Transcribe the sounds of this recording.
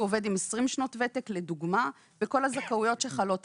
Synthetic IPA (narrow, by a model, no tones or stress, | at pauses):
ove̞dimesʁimʃno̞tvetekleduɡma | beko̞lazakaujo̞tʃeχalo̞t